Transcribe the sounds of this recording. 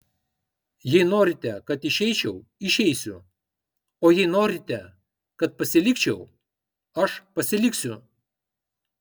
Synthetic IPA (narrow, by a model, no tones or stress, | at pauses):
jɛɪnoːɾʲɪt̪ʲɛkɐt̪ɪʃʲɛɪt͡ʃʲɛʊɪʃʲɛɪsʲʊ | oːjɛɪnoːɾʲɪt̪ʲɛ | kɐt̪̚pɐsʲɪlʲɪkt͡ʃʲɛʊ | ɐʃpɐsʲɪlʲɪksʲʊ